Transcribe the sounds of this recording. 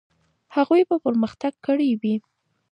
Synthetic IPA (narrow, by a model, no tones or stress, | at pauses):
haɣujpəpəɾməxt̪aɡ̚kəɽewi